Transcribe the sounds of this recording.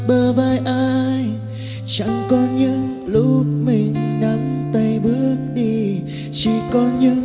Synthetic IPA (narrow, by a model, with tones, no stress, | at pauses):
ɓəː˨˩vaː˧˩jʔaː˧j | t͡ɕa̰˧˥ŋkɔ˧nɲɨ̰˧˥ŋ | lʊ˦˥p̚mï˨˩ŋ̟na˨˦mt̪ə˧˩jɓɨ˦˥ək̚ɗi˧˩ | t͡ɕi˧˩kɔ˧˦nɲɨ̰˧˥ŋ